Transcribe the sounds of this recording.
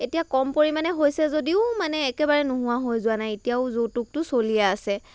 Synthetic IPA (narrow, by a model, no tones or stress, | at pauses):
etijakɔmpoɹimanɛɦojsɛzodiʊmanɛːkɛbaɹɛnʊɦʊ̃waɦojzʊanajetijaʊzowtuk̚tʊsolijɛasɛ